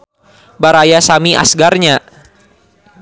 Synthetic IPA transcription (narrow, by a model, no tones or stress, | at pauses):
baɾajasamiʔa̰sɡarɲa